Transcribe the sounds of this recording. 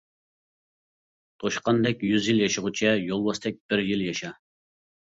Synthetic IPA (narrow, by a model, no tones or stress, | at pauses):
t̪ʰoʃqɑnd̪ɛkʲjyzjilˠjɑʃəʁut͡ʃʰɛjolˠwɑst̪ʰɛk̚ʲb̥ɪɾjiljɑʃɑ